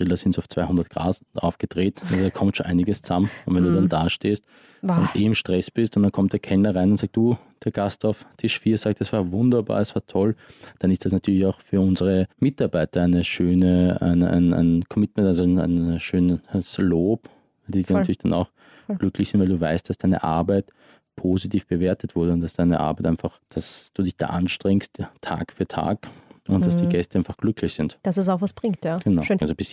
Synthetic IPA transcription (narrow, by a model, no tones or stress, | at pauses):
bʁɪlɐsɪntaʊft͡sv̥aɪhʊndɐt̚ɡ̥ʁa̰ːzʔa̰ʊfɡ̥əd̥ʁeːtnalzodaːkʰɔmtʃoːnʔa̰ɪnɪɡəst͡suzamənʊntvɛnduːdandaːʃteːst | ʊndʔeːɪmʃtʁ̥ɛsb̥ɪstʊntd̥ankʰɔmt̚d̥eːɐkʰɛlnɐʁaɪnʊntz̥aːk̚td̥uːd̥eːɐɡ̥astaʊftʰɪʃfiːɐz̥aːk̚td̥asv̥aːɐvʊndɐba̰ːɐɛsv̥aːɐtʰɔld̥anɪstd̥asnatʰyːɐlɪçaʊxfyːɐʊnzəʁəmɪtaɐbaɪtɐæɪnəʃøːnəæ̰ɪnʔæ̰ɪnʔæ̰ɪnkʰɔmɪtmɛ̃ntalzona̰ɪnʃøːnəsloːpː | didiɐnatyːɐɪçd̥ana̰ʊx | ɡ̥lʏklɪçsɪntvaɪlduːvaɪst̚d̥asd̥aɪnə̰ʔaɐbaɪt | pʰoːzitʰiːfb̥əveːɐtʰətv̥ʊɐɾəʊntd̥asd̥aɪnə̰ʔa̰ɐbɛɪtʔaɪnfaχd̥asd̥uːdɪçd̥a̰ːʔanʃtʁ̥ɛŋsttʰa̰ːkfyːɐtʰa̰ːkʔʊntd̥asd̥iːɡɛstəʔaɪnfaχɡ̥lʏkʰlɪçz̥ɪntd̥asɛs̬aʊxvasb̥ʁɪŋttjaːɡ̥ənaʊzobɪs